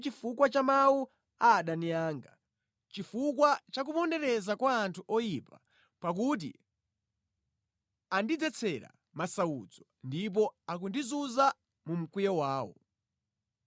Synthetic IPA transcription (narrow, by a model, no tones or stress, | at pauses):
t͡ʃifukwat͡ʃamawu | aɗanijaːŋɡa | t͡ʃifukwat͡ʃak̬upɔndɛɾɛzakwaːntʰuʔɔjipa | pak̬ut̬ḭ | andid͡zɛt͡sʰɛɾa̰ | masaṵd͡zɔndip̬ɔak̬undizuza | mum̩kwijɔwaːwɔ̰